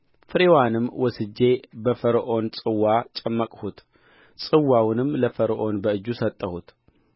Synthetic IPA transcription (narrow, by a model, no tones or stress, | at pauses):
fɨɾewanɨmwɔsɨd͡ʒːe̞bəfəɾʔo̞nt͡sʼɨwːat͡ʃʼɐmːəkʼhut̪ | t͡sʼɨwːawnɨmləfəɾʔo̞nbəɨd͡ʒːusət̪ʼːəhut̪